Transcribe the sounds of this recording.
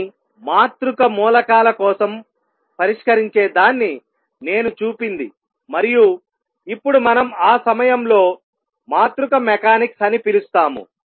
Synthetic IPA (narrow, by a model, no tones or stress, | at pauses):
maːt̪ɾukɐmuːlɐkaːlɐkɔːsɐm | pɐɾiʂkɐɾiɲt͡ʃe̞ːd̪aːnːi | ne̞ːnut͡ʃuːpind̪ḭ | mɐɾiju | ipːuɽumɐnɐmaːsɐmɐjɐmlo̞ː | maːt̪ɾukɐmɛkaːniksɐnipilust̪aːmṵ